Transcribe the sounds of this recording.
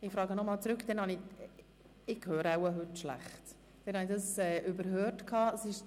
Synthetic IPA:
ɪfɾɑːɡənɔmɑːlt͡sɾʉkd̥ɛnhɑnɪ | ɪkhøːɾəawəɦʉtʃlæ̰χt | d̥ɛnhɑnidɑsɛːʔʏbəɾɦøːtkʰɑːəsɪʃ

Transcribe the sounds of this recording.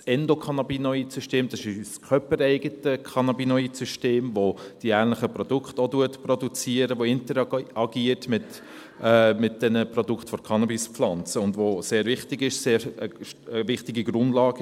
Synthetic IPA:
sɛndokʰɑnɑbinɔisyʃteːmd̥ɑsɪskʰœpəɾɛɪɡətəkʰɑnɑbinɔisyʃteːmvod̥iæːɾnləχəprɔd̥ʊkχtoduətprɔdut͡siəɾəʋoɪntəɾɑɡiətmɪt | ɛmɪt̚d̥ɛnəprɔdukχtfɔɾkʰɑnɑbispflɑnt͡səʊndvoseːɾvɪχtɪɡɪʃseːəəvɪχtɪɡiɡɾʊndlɑːɡ̥

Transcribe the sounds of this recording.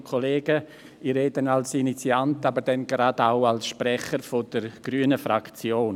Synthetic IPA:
kʰoleːɡə | iɾeːdənalsinit͡siantabəɾdɛnɡɾadaʊalsʃpɾɛχəɾfod̥əɾɡ̥ɾyːənəfɾakt͡sjoːn

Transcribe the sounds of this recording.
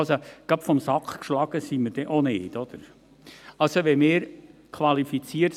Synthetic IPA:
lsoɡ̥ɑpfɔmsɑkχkʃlɑɡ̥əsiməɾd̥ɛʔoneːd̪ɔd̪̥əɾ | ɑlsoʋɛmɪːɾkʰʋɑlifit͡siːəɾt

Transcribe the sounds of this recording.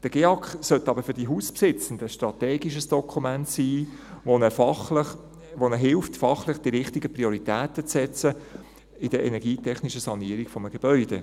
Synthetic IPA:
d̥əɡ̥eːɑkχsœtːɑbəfʏɾdiɦuːspsɪt͡sən̩dəʃtɾɑteːɡiʃ̬əsd̥ɔkʰumæntsiː | ʋonəɑχ | ʋonəɦɪlftfɑχlɪχd̥iɾɪχtiɡəpɾioɾitæːtət͡sːɛt͡sə | ɪd̥əɛ̰nɛɾɡiːtʰɛχniʃəsɑniːəɾiɡ̥fɔməɡ̥eb̥œʏd̥ḛ

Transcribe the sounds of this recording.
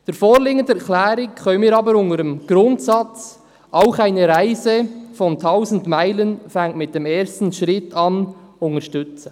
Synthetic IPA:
d̥əɾfoːɾleːɡəndɛɾklɛːɾɪkxœnənmiːɾɑːbəɾʊŋəɾəmɡ̥ɾʊntsɑt͡s | ʔaʊχaɪnəɾaɪzəfɔntʰaʊzn̩dmaɪlənfɛŋtmɪt̚d̥ɛmeːɾstn̩ʃɾɪtʰɑnʊŋəʃtʏt͡sə

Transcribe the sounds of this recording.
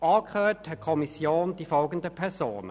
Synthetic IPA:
ʔɑːkχøːthɛt̚kʰɔmisjoːnd̥ifɔlɡəndəpʰɛsoːnə̰

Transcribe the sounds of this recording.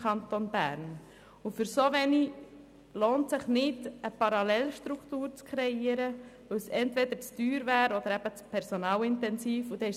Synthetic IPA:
ɑnt̪onbæ̰ːɾn | ufʏɾsoʋɛni | loːntsɪχnɪd̥əpɑɾɑlɛlʃt̪ɾukt̪uːɾt͡skʰɾɛiəɾəʋɵwsɛnt̪vɛd̪əɾt͡styːɾvæːɾɔd̪əɾæb̥ət͡spʰɛɾsonɑːlɪntɛnsiːfud̥̪ɛɪ

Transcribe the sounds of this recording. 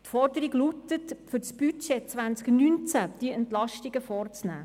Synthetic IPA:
tfɔrdəɾiɡlut̪ətfʏt͡sb̥yt͡ʃet͡sʋænt͡sknynt͡sæd̪̥iəɛnt̪lɑʃtiɡəfɔːrt͡snæ̰ː

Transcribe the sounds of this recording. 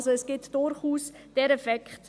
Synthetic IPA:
zoəsɡ̥ɪtd̥orχuːs | d̥ɛɾɛfɛkt

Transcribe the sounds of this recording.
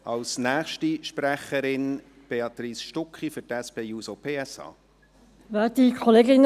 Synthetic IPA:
ɑlsnæːχʃtiʃpræχːəɾɪn | b̥eɑt̪riːsʃtʊkχifʏtɛspeːjuːsopʰeːɛsɑ̰ː | væːtdikʰoleːɡɪn

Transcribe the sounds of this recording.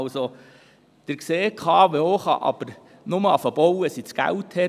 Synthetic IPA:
lso | d̪̥əɾkseːkʰɑːʋeoːχɑ̰ʔɑ̰b̥əɾ | nʊməɑfəb̥ɔwəsit͡sɡ̥æ̰wthɛ

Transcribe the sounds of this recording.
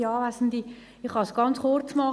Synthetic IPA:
ɑːʋæsnd̪i | iχhɑsɡ̥ɑnt͡sχort͡smɑ

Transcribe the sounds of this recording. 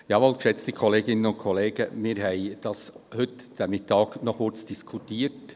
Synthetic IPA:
jɑːʋolkʃɛt͡st̪ikʰɔleːɡɪnənʊntkʰɔleːɡ̥əmiːɾɦɛɪd̥ɑshʏtd̥æmɪtɑːɡnɔχkʊɾt͡sd̥iskʰutiːt

